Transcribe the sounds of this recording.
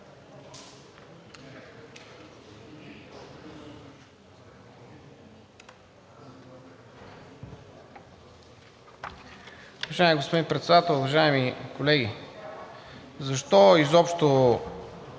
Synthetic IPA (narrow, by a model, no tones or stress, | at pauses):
vɐʒaɪmiɡospod̪inpɾɛt̪sɛd̪at̪əlˠuvɐʒaimikolɛɡʲi | zɐʃt̪ɔizɔpʃt̪o